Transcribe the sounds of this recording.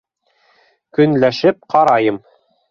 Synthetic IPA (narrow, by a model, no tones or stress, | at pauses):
kɵ̆nlæʃɘp̚qɑɾɑjɤm